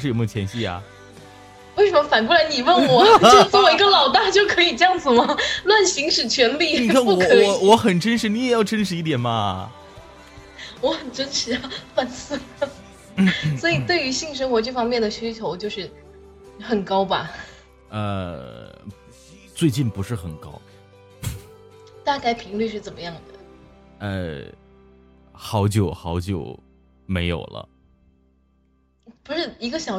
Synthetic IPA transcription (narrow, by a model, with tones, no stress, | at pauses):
ʂɻ̩˥˩o˨˩mʰ˥˨˩ɛ˧˥nɕi˥˩ɐ̰˩ | we˥˩ʂə˧˦mə˦fa˨˩nkwu˥˩la˧˥ɪni˨˩wə˥˩nwɔ˨˩jʊfə˥˩wɔ˨˩i˧˥ɡə˥˧lɑ˨˩ʊt̪a˥˧t͡ɕjo˥˩ʊkʰɤ˧˥i˨˩ʈ͡ʂɤ˥˧jɑ˥˩ŋd͡zɹ̩˨˩mɐ˨˩lwa˥˩nɕi˧˥ŋʂɻ̩˨˩t͡ɕʰɥɛ˧˥nli˥˩i˨˩a˥˩˥kɔ˧˥wɔ˧˥xə˨˩nʈ͡ʂə˥nʂɻ̩˧˥ni˥jɛ˨˩jɑ˥˩ʊʈ͡ʂə˥nʂɻ̩˧˥i˥˩t̪̬jɛ˨˩nmɐ˧ | wɔ˧˥xə˨˩nʈ͡ʂə˥nʂɻ̩˨˥a˧˩fwa˥˧˩nsɹ̩˥˩ | swɔ˧˥i˨˩t̪we˥˩ɪy˧˥ɕi˥˩ŋʂ̬ə˥ŋxwɔ˧˥ʈ͡ʂɤ˥˩fɑ˥ŋmjɛ˥˩nd̪ə˩ɕy˥t͡ɕʰjo˧˥ʊt͡ɕjo˥˧ʊʂɻ̩˥˩ | xə˨˩nkɑ˥ʊbɐ̰˧ | ə˧ | t͡swe˥˧ɪt͡ɕi˥˩npu˧˥ʂɻ̩˥˩xə˨˩nkɑ˥ʊ | t̪a˥˧ka˥˩ɪpʰi˧˥ŋly˥˧ʂ̬ɻ̩˥˩t͡sə˨˩nmə˦jɑ˥˩ŋd̪ə̰˩ə˧ | xɑ˧˥ʊt͡ɕjo˨˩ʊxɑ˧˥ʊt͡ɕjo˨˩ʊ | me˧˥ɪjo̰˨˩ʊlə̰˦ | pu˧˥ʂɻ̩˥˩i˧˥ɡə˧ɕjɑ˨˩ʊ